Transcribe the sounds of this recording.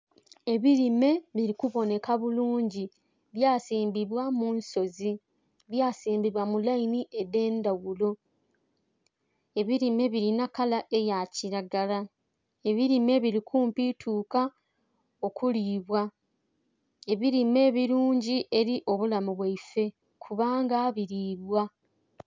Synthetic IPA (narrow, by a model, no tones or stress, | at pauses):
e̞βiɾime̞βiɾikuβo̞ne̞kaβuluːɲɟi | βjaːsiːmbiβwamunso̞zi | βjaːsiːmbiβwamulainiʔede̞ːndawulo̞ | e̞βiɾime̞βiɾinakalaʔe̞jaciɾaɡala | e̞βiɾime̞βiɾikʰuːmpitʰuːka | o̞kuliːβwa | e̞βiɾime̞ːβiɾuːɲɟiʔe̞ɾiʔo̞βulamuβwaife̞ | kʰuβaːŋɡaːβiɾiːβwa